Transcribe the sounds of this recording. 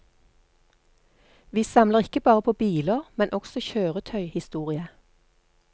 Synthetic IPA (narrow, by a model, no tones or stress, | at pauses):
ʋiːsɑmləʁɪkəbɑːʁəpʰoːbiːləʁmɛnʔɔksɔçøːʁət̪ʰœʏhɪst̪uːʁɪə